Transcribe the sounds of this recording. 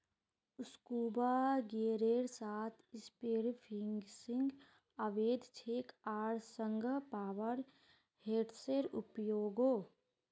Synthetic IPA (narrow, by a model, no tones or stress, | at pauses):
ʊskuːbaɡeːɾeːɾsaːt̪ʰɪspeɾpʰɪŋɡsɪ̃ŋɡ | əʋeːd̪ʱt͡ʃʰeːkaːɾsəŋɡʱpaːʋəɾ | heːʈseɾʊpjoːɡoː